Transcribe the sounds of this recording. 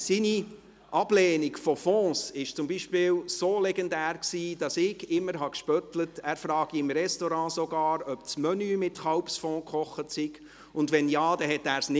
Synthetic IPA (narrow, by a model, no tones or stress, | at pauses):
sini | ʔɑb̥lɛːniɡfɔfɔ̃ːsɪʃt͡sʊmbiʃpɪːwsoːlɛɡɛndæːrksiːd̥ɑsɪɡɪmːəɾɦɑkʃpœtlətæːɾfɾɑːɡ̥iɪmɾɛstɔɾɑ̃ːsɔɡɑːɾœpt͡smœnyːmɪtχɑwpsfɔ̃ːkχɔχətsɪɡ | ʊndʋɛnjɑːd̥ɛɦɛtːæːɾsnɪ